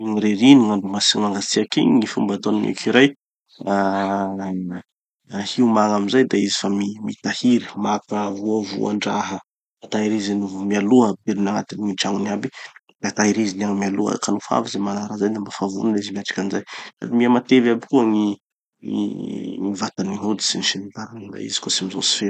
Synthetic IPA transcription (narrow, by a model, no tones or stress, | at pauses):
ŋiɾeɾiniŋaɳɖ͡ʐumasimaŋɡasiakḭŋifumbat̪onimḛkʰiɾaj | a | hiumaŋamizajd̪aizi̥famimit̪ahiɾi̥makəvuəvṵa̰ɳɖ͡ʐaɦə | at̪aɦiɾizinuvumialuəbeɾunaŋat̪inŋiʈ͡ʂaŋuniabi | d̪̥at̪aɦiɾiziniaŋmialuə̰kanufa̰vizemanaɾazajd̪ambafavṵnaizimiaʈ͡ʂḁkʲanizajsa̰d̪imiamat̪evabikuəŋi | ḭŋivat̪aniŋud̪i̥siniʃinit̪aɾanɡa̰ḭzi̥kosimizo̰si̥feɾ